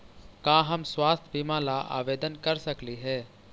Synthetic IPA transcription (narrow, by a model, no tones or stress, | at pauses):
kãːɦɐmswaːst̪ʰbiːmãlaʔa̰ːʋeːd̪ənkɐɾsəkliɦɛː